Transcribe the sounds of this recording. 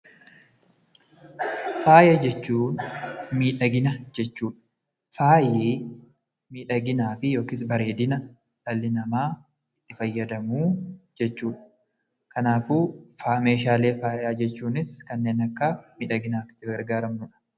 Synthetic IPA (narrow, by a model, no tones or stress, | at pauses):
faːjɐd͡ʒɛt͡ʃːuːnmiːᶑɐɡɪnɐd͡ʒɛt͡ʃːuːᶑɐ̥ | faːjeː | miːᶑɐɡɪnaːfɪjo̞ːkɪs̬bɐɾe̞ːd̪ɪnɐ | ᶑɐlːɪnɐmaː | ɪt̪ːɪfɐjːɐd̪ɐmuːd͡ʒɛt͡ʃːuːᶑɐ̥ | kɐnaːfuːfaːme̞ːʃaːle̞ːfaːjaːd͡ʒɛt͡ʃːuːnɪskɐnːe̞ːnɐkːɐmiːᶑɐɡɪnaːfɪ̥t̪ːɪɡɐɾɡaːɾɐmnʊᶑɐ̥